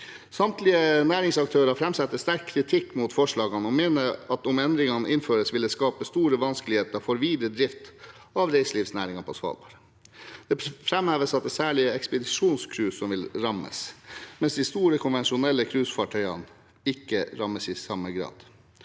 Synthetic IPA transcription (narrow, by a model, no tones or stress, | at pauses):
sɑmt̪ʰlɪənæːɾɪŋsɑk̚t̪ʰøːɾɑfɾɛmsɛt̪ːəst̪æɾkʰːɾɪt̪ʰɪkːmuːt̪fɔʂɭɑːɡɑnɔmeːnəɑt̪ʊmɛnd̪ɾɪŋɑnʔɪnføːɾəsʋɪld̪ɛskɑːpəst̪uːɾəʋɑnskəlɪheːt̪əɾfɔɾʋiːd̪əd̪ɾɪft̪ | ɑʋɾeɪsliːʋsnæːɾɪŋɑpʰɔsʋɑ̰ːlbɑ̰ɾə | d̪̥ɛfɾɛmhæːʋəsɑt̪̚d̪ɛsæːɭɪəɛkspəd̪ɪʂuːnskʰɾʉːsɔmʋɪlɾɑmə̰smɛnsd̪ɪst̪uːɾəkʰʊnʋɛnʃʊnɛlːəkʰɾʉːsfɑʈʰœʏɑ̰n | ɪkːəɾɑməsɪsɑməɡɾɑ̰ːd̪̥